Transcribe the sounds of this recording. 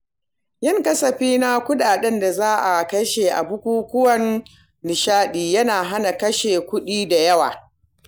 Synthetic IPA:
jɪ˦˨ŋkɐ˦sɐ˨ɸiː˦na˦kʷʊ˦ɗaː˨ɗɛ˦nda˨zaː˦ʔa˨kɐ˦ʃeː˨ʔa̰˨bʊ˦kʷuː˦kʷʊ˦wɐ˦nː | ɪ˨ʃaː˦ɗiː˨jɐ˦naː˨ɦa˦na˨kɐ˦ʃeː˨kʷʊ˦ɗiː˦da˨jɐ˦wa̰ː˨

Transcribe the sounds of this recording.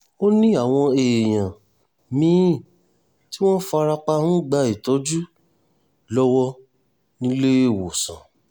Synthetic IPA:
o˦nĩ˦a˦˨w̃ɔ̃˧e˨j̃ã˨ | mĩ˦˨ | ti˦w̃ɔ̃˦fa˧ɾa˧k͡pa˦˧hũ˦ɡ͡ba˧i˨tɔ˨˦d͡ʒu˦ | lɔ˦wɔ˦ | nĩ˦le˦e˦˨wo˨sã̰˨

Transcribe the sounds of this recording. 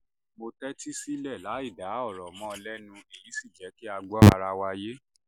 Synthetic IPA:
mo˧tɛ˦ti˦si˦lɛ˦˨la˨˦i˦˨da˨˦ɔ˦˨ɾɔ˨mɔ̃˦ɔ˧lɛ˦nũ˧e˨jĩ˨˦si˦˨d͡ʒɛ˨˦ki˦a˧ɡ͡bɔ˦a˧ɾa˧wa˧je˦

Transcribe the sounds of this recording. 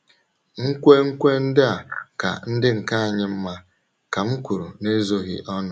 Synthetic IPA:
ŋ̩˦kʷe˦ŋ̩˦kʷe˦n̩˦dɪ˦a˨ka̰˨n̩˦dɪ˦ŋ̩˨ka˦a˨ɲɪ˦m̩˦ma˦ | ka˨m̩˦kʷu˨ɾṵ˨ne˦zo˦ɣɪ̰˨ʔɔ˦nʊ˨

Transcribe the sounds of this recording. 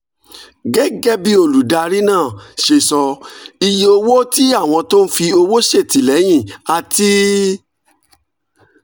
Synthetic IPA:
ɡɛ˦ɡɛ˦bi˦o˧˨lu˨da˧ɾi˦nãː˦˨ʃe˧sɔ˧i˧jo˧wo˦ti˦a˦˨w̃ɔ̃˧to˦n̩˦fi˧o˧wo˦ʃe˦˨ti˨lɛ˨˦j̃ĩ˦˨a˧ti˦

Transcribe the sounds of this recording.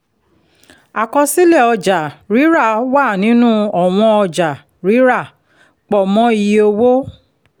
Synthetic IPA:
a˨kɔ˧si˦lɛ˦˨ɔ˧d͡ʒa˨ɾi˨˦ɾa˦˨wa˦˨nĩ˨˦nũ˦ɔ˦˨w̃ɔ̃˧ɔ˧d͡ʒa˨ | ɾi˨˦ɾa˦˨ | k͡pɔ˨mɔ̃˦i˧jo˧wo˦

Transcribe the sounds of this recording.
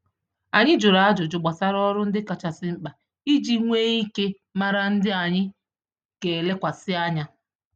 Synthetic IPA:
a˨ɲɪ˦d͡ʒʊ˨ɾa˨a˦d͡ʒʊ˨d͡ʒʊ˨ɡ͡ba˨sa˦ɾɔ˦ɾʊ˦n̩˦dɪ˦ka˨t͡ʃa˨sɪ˦ŋ͡m̩˦k͡pa˨ | i˦d͡ʒi˦ŋʷe˦i˦ke˦ | ma˦ɾa˦n̩˦dɪ˦a˨ɲɪ˦ | ke˨le˦kʷa˨sɪ˦a˦ɲa˦

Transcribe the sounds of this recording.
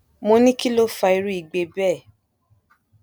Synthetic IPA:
mo˧nĩ˦ki˦lo˦fa˧i˧ɾu˦i˨ɡ͡be˧bɛː˦˨

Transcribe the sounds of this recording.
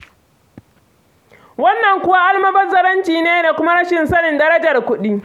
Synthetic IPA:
wɐ˦nːɐ˨ŋkʷʊ˦wa˦ʔa˦lmɐ˦bɐ˦rzɐ˦ɾɐ˦nt͡ʃiː˨neː˦da˨kʷʊ˦ma˦ɾɐ˦ʃɪ˨nsɐ˦nɪ˨ndɐ˦ɾɐ˦d͡ʒɐ˨rkʷʊ˦ɗi˦

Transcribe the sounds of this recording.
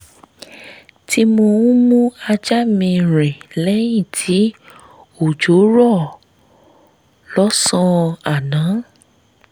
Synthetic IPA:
tʰi˧mõ˧ũ˦mũ˦a˧d͡ʒa˦mĩ˧ɾɛ̃˨lɛ˦jĩ˦˨tʰi˨˦ | o˨d͡ʒo˨˦ɾɔ˦˨ | lɔ˨˦sɔ̃˦a˨nã˨˦

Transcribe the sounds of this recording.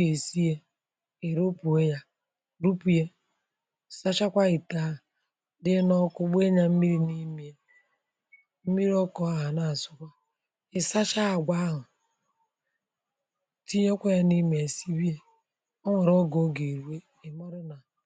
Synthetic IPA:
e˨si˦je˦ | e˨ɾo˦pu˨e˦ja˦ | ɾu˦pu˨je˦˨ | sa˦t͡ʃa˦kʷa˦i˨ta˨˦ɦ | dɪ˦nɔ˦kʊ˦ɡ͡be˦ɲa˦m̩˦mi˦ɾi˦ni˦mi˨e˦ | m̩˦mi˦ɾi˦ɔ˦kɔ˨a˨ɦa˨na˨sʊ˨kʷa˦ | ɪ˨sa˦t͡ʃa˦a˨ɡʷa˦ɦʊ˨ | ti˦ɲ˦o˦kʷe˦ja˦ni˦mi˨e˨si˦bi˦e˦ | o˦ŋʷe˨ɾo˦ɡo˦ɡe˨ɾu˨e˦ | ɪ˨mɔ˦ɾɪ˦na˨

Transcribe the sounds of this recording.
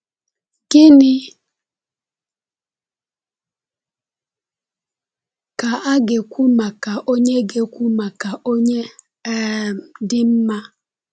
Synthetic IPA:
kɪ˦nɪ˦ | ka˨ʔa˦ɡe˨kʷu˦ma˨ka˨ʔo˦ɲe˦ɡe˨kʷu˦ma˨ka˨ʔo˦ɲe˦ | dɪ˦m̩˦ma˦

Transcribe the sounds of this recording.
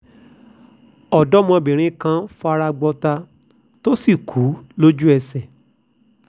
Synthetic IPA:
ɔ˨dɔ˦mɔ̃˧˨bĩ˨ɾ̃ĩ˦kã˧fɔ˧a˧ɾa˧ɡ͡bɔ˧ta˧ | to˦si˦˨kʰu˨˦lo˦d͡ʒu˦ɛ˧˨sɛ˨

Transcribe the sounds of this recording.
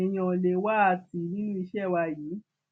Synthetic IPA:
ɛ˧˨j̃ɔ̃˨le˧wa˦a˧˨ti˨nĩ˦nũ˦i˧ʃɛ˦˨wa˧jiː˨˦

